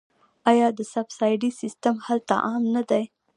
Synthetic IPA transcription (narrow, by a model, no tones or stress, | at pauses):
ɑjɑd̪əsabsɑjɖisɪstamhalt̪a̰ʔɑmnad̪aj